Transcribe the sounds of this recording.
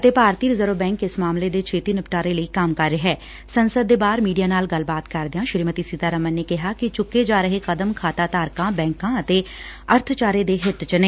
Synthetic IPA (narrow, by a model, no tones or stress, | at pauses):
ɐt̪eːpaːɾt̪iːɾɪzəɾoːbɛ̃ːŋkɪsmaːmled̪eːt͡ʃʰeːt̪iːnəpʈaːɾeləikaːmkəɾɦɛː | sənsəd̪ːeːbaːɾmiːɖijaːnaːlɡɐlbaːt̪kɐɾd̪ɪjãːʃɾiːmət̪isiːt̪aːɾəmənːekɪɦakit͡ʃʊkːed͡ʒaːɾəɦekɐd̪əmkʰaːt̪aːt̪aːɾkãːbɛ̃ːŋkãːɐt̪eːɐɾt̪ʰt͡ʃaːɾed̪eɦɪt̪t͡ʃəneː